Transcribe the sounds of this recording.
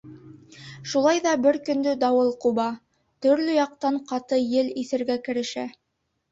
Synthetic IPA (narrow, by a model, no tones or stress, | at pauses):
ʃulˠɑjðɑbɘɾkɵ̆nd̪ɵd̪ɑwɤlˠqubɑ | t̪ɵ̆ɾlɵjɑq̚t̪ɑɴqɑt̪ɤjɘliθɘ̆ɾɡækɘ̆ɾɘ̆ʃæ